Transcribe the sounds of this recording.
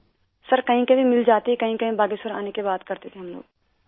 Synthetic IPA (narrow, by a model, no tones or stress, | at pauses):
sɐɾkɐɦĩkebʱĩmɪld͡ʒaːt̪ikɐɦĩkɐɦĩbaːɡisɐɾa̰ːnekebaːt̪kɐɾt̪et̪ʰeɦɐmlo̰ːɡ